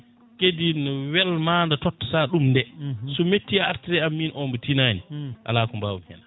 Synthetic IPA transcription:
kedinɔwɛlmandatɔtːɔ̥saɗumndɛsɔmetːiaaɾtɾɛamːinʔɔmbɔtinaniʔa̰laːkɔmbawumhɛ̰na

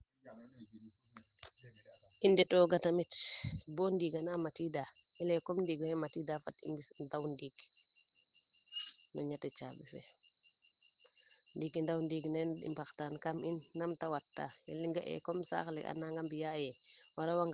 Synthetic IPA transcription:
ʔindɛɗɔɡatamitbɔndiɡanamatidaɛlɛkɔmndiɡhɛmatidafatḭŋɡisndawndiɡ | nɔ̰ɲatɛt͡ʃabɛfɛ̰ | ndiɡndawndiɡnɛnɗḭmpaktankaminːamtawatːa̰jɛ̰liŋɡaʔɛ̰kɔmsa̰klɛ̰a̰naŋɡambijajɛwaɾawaŋɡ

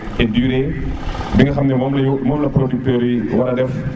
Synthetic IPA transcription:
ʔɛdyːɾɛ | biŋɡɐxɐmnɛmɔmlɐjumɔːmlɐpɾodyk̚tøːɾiwɐɾɐdɛf

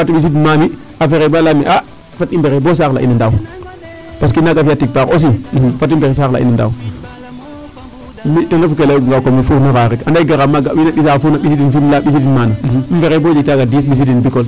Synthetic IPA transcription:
atuɓis̬idinmani | afeɾebalameʔa | fatimbeɾebos̬akla̰ʔḭnandaw | pas̬kinaɡafiatik̚pakos̬ifatimbeɾes̬akla̰ḭnanda̰w | mitaŋafuk̬elaɡŋɡakomifuɾnakaɾekandaɡaɾamaɡa̰winaɓisafunaɓisidinfimlaɓis̬idinmanamfeɾebod͡ʒitaɡadisɓis̬idinbikol

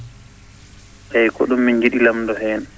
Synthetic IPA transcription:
ʔɛjkɔ̰ɗumːind͡ʒiɗilamdɔɦɛːn

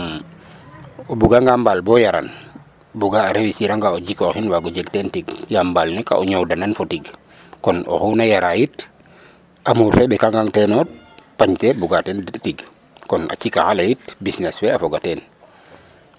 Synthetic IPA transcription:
ɔbuɡaŋɡambalbɔjaɾa̰n | buɡaːɾewisiɾaŋɡaɔɟikɔhinwaɡɔd͡ʒɛɡtɛntiɡjambalnɛka̰ʔɔɲɔwdananfɔtiɡ | kɔnɔ̰hunajaɾajit | ʔamuɾfɛbɛkaŋɡaŋtɛnɔ | paɲtɛbuɡatɛntiɡ | kɔna̰t͡ʃika̰halajitbisnɛswɛafɔɡatɛn

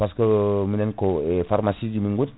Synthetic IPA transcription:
paskəminɛnkoefarmasidimiŋɡut̪

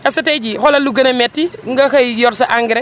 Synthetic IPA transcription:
ɛsɐtɛɟihɔlɐluɡɐnɐmɛtːiŋɡɐxɐjjɔɾsɐʔaŋɡɪɾɛ

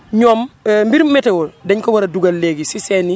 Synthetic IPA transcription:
ɲoːmmbiɾmɛtewɔldɛɲkowaɾaduɡalːeɡisiseni

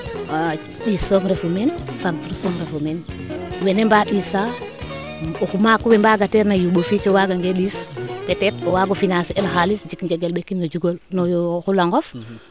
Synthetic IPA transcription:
ɗisoŋɾefumensantɾusɔŋɾefɔmen | wɛnembaɗisa | oxumakuwɛmbaɡatɛɾnajuɓofit͡ʃɔwaɡaŋɡeɗispɛtɛtɔwaɡofinasɛlxalisd͡ʒikɲd͡ʒɛɡelɓekinɡad͡ʒuɡolnɔjɔxulaŋɡɔf

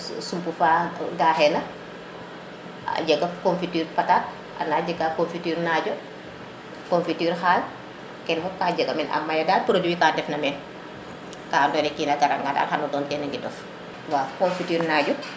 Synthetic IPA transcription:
sumpufaɡaːhɛnɐ | a̰ɟɛɡɐkonfityːɾpatat̚ | ʔa̰naːɟɛɡakonfityːɾnaːɟɔ | konfityːɾxaːl | kɛnfɔkaːɟɛɡɐmɛnɐ̰mːajɐdaːt̚pɾodiwikaːndɛfnɐmɛn | kaːndɔnɛkinaɡaɾa̰ŋɡata̰ːlhanɔdɔːntɛnɐŋɡidɔf | waːkɔɱfityːɾnaːɟɔ

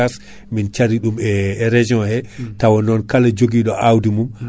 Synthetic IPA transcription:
as | mint͡ʃaɾiɗumɛɾed͡ʒiɔnhɛtawɔnɔnkalad͡ʒoɡiɗɔʔawdimum

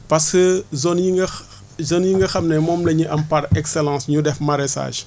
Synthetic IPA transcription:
pɐskəzonjiŋɡɐ | zonjiŋɡɐxɐmnɛmɔːmlɐɲiʔɐmpɐɾɛksɛlɑ̃ːsɲudɛfmɐɾɛsa̰ːʒ

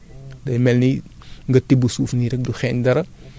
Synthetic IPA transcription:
dɐjmɛlni | ŋɡɐtibusuːfniɾɛk̚duxɛɲdɐɾɐ

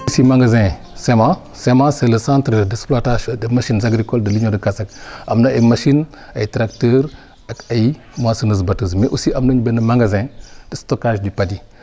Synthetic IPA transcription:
usimaŋɡazẽ | semã | semãseləsãntɾədesplataʃdəmaʃinzaɡɾikoldəliɲodəkasakʔamnaʔajmaʃin | ajitɾaktəɾ | akai | masənəzbatuzmeʔusiʔamnuɲbenəmaŋɡazẽd̥istokaʒdipadi

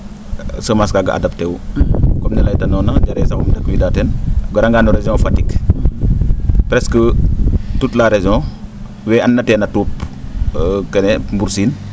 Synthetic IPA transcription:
səmaskaːɡɐ̰ʔa̰dɐp̚tɛːwkɔmɲɐlɐjtɐnɔːnɐɟaɾɛːsɐmumdɐkːwidaːtɛnɡɐɾɐŋɡaːnuɾɛzɔ̃ːfɐtik | pɾɛskə | tutlaɾezɔ̃ | wɛːɐnːɐtɛːnɐtuːp | kɛnɛmbuɾsiːn

